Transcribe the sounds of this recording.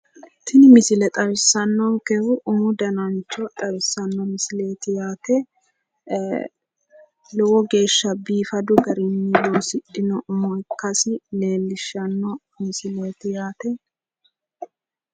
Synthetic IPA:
t̪ʰɪnɪmɪsɪlɛt̪ʼɐwɪsːɐnːɔŋkɛhʊʔʊŋʊd̪ɐnɐnt͡ʃːɔt̪ʼɐwɪsːɐnːɔmɪsɪleːt̪ɪjaːt̪ɛ | lɔwɔɡe̞ːʃːɐbiːfɐd̪ʊɡɐɾɪnːɪloːsɪɗːɪnɔmɔjkːɐsɪle̞ːlːɪʃːɐnːɔ | mɪsɪlɔjt̪ɪjaːt̪ɛ

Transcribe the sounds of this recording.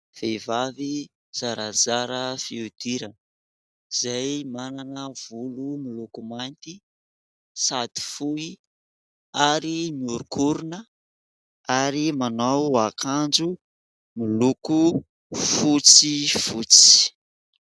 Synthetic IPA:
v̥evavi | z̥aɾazaɾəfiud̪̥iɾanə | z̥ajmananəv̥ulumilukumant̪i | sad̪i̥fui | aɾimiuɾukuɾunə | aɾimanawakʰand͡ʒu | miluku | fut͡sifut͡si̥

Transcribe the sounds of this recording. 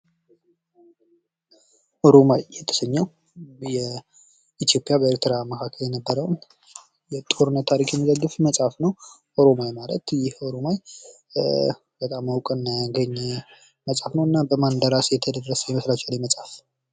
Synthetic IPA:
ʔoɾomajːɛt̪ʰə̥səɲːɛw | jɛ | it̪jo̞pʼjabəeɾt̪ʰɨɾaməkʰakʰːəljɛnəbːəɾəwn | jɛt̪ʼo̞ɾɨnːət̪ʰːaɾikjɛmːizəɡːɨfməsʼafnəw | ʔoɾo̞majmalə̰t̪jɪho̞ɾo̞maj | b̥ət̪ʼamawkʼənɡəɲːɛ | məsʼafnəwɨnːabəmand̪əɾasjɛt̪ʰəd̪əɾːəsəjɛməslat͡ʃaljɛməsʼaf

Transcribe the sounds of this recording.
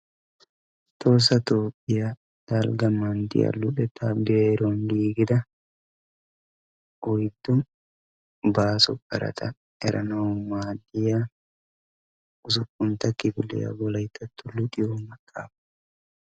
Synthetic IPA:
t̪oːs̬ɐt̪oːpʼːɪja | d̪̥aːlɡɐmand̪ɪ̰jɐ̰lːʊᶑɛt̪aːbejɐɾoːnd̪iːɡɪd̪ɐ | ɔjd̪ʊn | baːsʊ̰kʼːɐ̰ɾɐ̰t̪ʰɐ | ɛɾʔɐ̰nɐɔmaːd̪ɪja | ʊs̬ʊkʼːʊnt̪ɐkːɪbʊlːɪ̰jɐ̰ɡɔlɐjt̪ːɐt̪ːʊlːʊᶑɪjuːmɐkʼːa̰ːfɐ̥

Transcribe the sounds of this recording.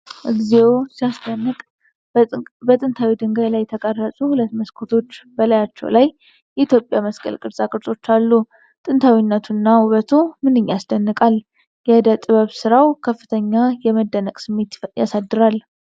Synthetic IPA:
ʔɨɡzewsijasd̪ənːɨkʼ | bət̪ʼɨnt̪ʰawid̪ɨŋɡəjlajt̪ʰəkʼərːəsʼuhulət̪məskʰot̪ʰo̞t͡ʃːbəlajat͡ʃːɛ̰wlajː | ɛit̪ʰjo̞pʼjaməskʼə̰lkʼɨɾsʼakʼɨɾsʼo̞t͡ʃːalːu | t̪ʼɨnt̪ʰawinːət̪ʰunːahuβət̪ʰumɨnːɨɲːjasd̪ənːɨkʼal | jɛd̪ət̪ʼɨβəβsɨɾawkʰəfːɨt̪ʰəɲːajɛməd̪ːənəkʼsɨmːet̪ja̰sad̪ːɨɾal

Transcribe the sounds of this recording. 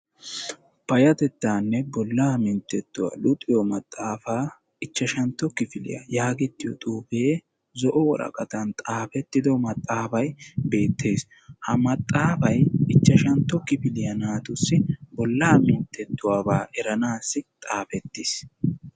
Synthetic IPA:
pɐjɐt̪ɛt̪ːaːnːɛbɔlːaːmɪnt̪ːɛt̪ːʊwa̰ːlʊt̪ʼːɪjɔmɐt̪ʼːaːfaː | ɪt͡ʃːɐʃɐnt̪ːɔkɪfɪlɪ̰jɐ̰jaːɡɛt̪ːɪjɔ̰t̪ʼuːbeː | zɔʔɔwɔ̰ɾɐ̰kʼɐt̪ɐnt̪ʼaːfɛt̪ːɪd̪ɔmɐt̪ʼːaːfɐjbe̞ːt̪ʰːe̞ːs | hɐmɐt̪ʼːaːfɐjɪt͡ʃːɐʃɐnt̪ːɔkɪfɪlɪjɐnaːt̪ʊsːɪbɔlːaːmɪnt̪ːɛt̪ːʊwaːbaːʔɛɾɐnaːsːɪt̪ʼaːfɛt̪ːɪs

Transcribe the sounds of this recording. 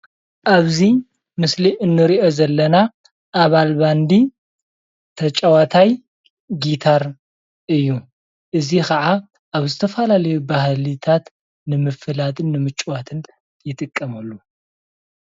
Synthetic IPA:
ʔaβzi | mɨsliʔɨnːɨɾiʔo̞zɐlːɐna | ʔːβalband̪i | t̪ʰɐt͡ʃʼɐwat̪ʰaj | ɡit̪ʰaɾ | ʔɨjːu | ʔɨzikʰɐʕa | ʔaβzɨt̪ʰɐfɐlalɐjubahlit̪ʰat̪ | nɨmɨfɨlat̪ɨnːɨmɨt͡ʃʼuwat̪ʰɨn | jɪt̪ʼɨkʼːɐmɐlːu

